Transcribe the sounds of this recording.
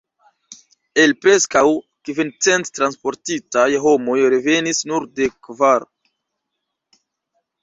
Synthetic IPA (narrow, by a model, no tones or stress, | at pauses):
e̞lpɾe̞skaw | kvint͡se̞nttɾanspo̞ɾtitajɦo̞mo̞jɾeve̞nisnuɾde̞kvaɾ